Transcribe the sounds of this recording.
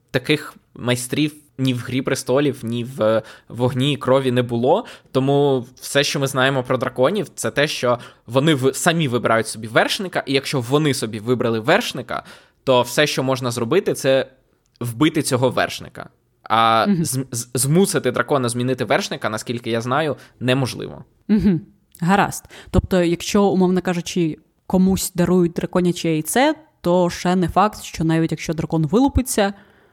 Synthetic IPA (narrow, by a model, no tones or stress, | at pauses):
t̪ɐkɪxmɐjst̪ɾʲiw | nʲiwɦɾʲipɾɪst̪ɔlʲiwnʲiʋʋɔɦnʲiːkɾɔʋʲinɛbʊlˠɔt̪ɔmuwsɛʃt͡ʃɔmɪznɑjemɔpɾɔd̪ɾɐkɔnʲiwt̪sɛt̪ɛʃt͡ʃɔʋɔnɪʋsɐmʲiʋɪbɪɾɑjʊtʲsɔbʲiʋɛrʃnɪkɐʔijɐkʃt͡ʃɔʋɔnɪsɔbʲiʋɪbɾɐlˠɪʋɛrʃnɪkɐ̰ | t̪ɔwsɛʃt͡ʃɔmɔʒnɐzrɔbɪt̪ɪt̪sɛ | wbɪt̪ɪt͡sʲɔɦɔʋɛ̰rʃnɪ̰kɐ̰ | ɐzzmusɪt̪ɪd̪ɾɐkɔnɐzmʲinɪt̪ɪʋɛrʃnɪkɐnɐsʲkʲilʲkɪjaznɑjʊnɛmɔʒlˠɪ̰ʋɔ̰ | m̩ɦ̩ | ɦɐɾɑ̰st̪t̪ɔp̚t̪ɔjɐkʃt͡ʃɔʊmɔʋnɐkɑʒʊt͡ʃɪ | kɔmusʲd̪ɐɾujʊt̚ʲd̪ɾɐkɔnʲɐt͡ʃɪɛjt̪sɛt̪ɔʃɛnɛfɑkt̪ʃt͡ʃɔnɑjʋʲitʲjɐkʃt͡ʃɔd̪ɾɐkɔnʋɪlˠʊpɪt͡sʲːɐ